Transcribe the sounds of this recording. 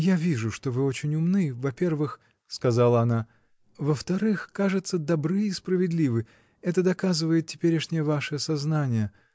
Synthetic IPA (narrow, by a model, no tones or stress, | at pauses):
javʲiʐʊʂt̪o̞vɨo̞t͡ɕɪnʲʊmnɨvɐpʲe̞rvɨx | skɐzalˠəɐna | vəft̪ɐɾɨxkaʐɨt̪səd̪ɐbɾɨispɾəvʲɪd̪lʲivɨ | ɛt̪əd̪ɐkazɨvəjɪt̪̚tʲɪpʲeɾʲɪʂnʲɪjəvaʂɨɐsɐznanʲɪjə